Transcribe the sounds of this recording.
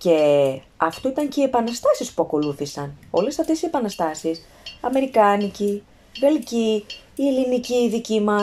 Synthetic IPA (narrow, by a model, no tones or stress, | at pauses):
ce̞ | ɐft̪oit̪ɐɲceiepɐnɐst̪ɐsispuɐko̞luθisɐno̞lesɐft̪e̞sie̞pɐnɐst̪ɐsis | ɐme̞ɾikɐnici | ve̞lciː | eliniciːðicimɐ